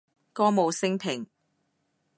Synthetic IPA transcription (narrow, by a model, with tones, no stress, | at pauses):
kɔː˥mo˨˧wsɪ˥ŋpʰɪ˨˩ŋ